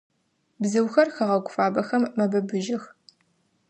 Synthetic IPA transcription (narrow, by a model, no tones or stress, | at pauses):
bzɨwxɐrxɐʁɐɡʷʼʊfaːbɐxɐmːɐbɐbɨʒɪx